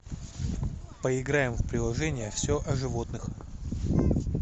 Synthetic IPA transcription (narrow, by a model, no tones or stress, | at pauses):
pəɪɡɾajɪmvpɾʲɪlˠɐʐɛnʲɪjəfsʲoʔɐʐɨvo̞t̪nɨx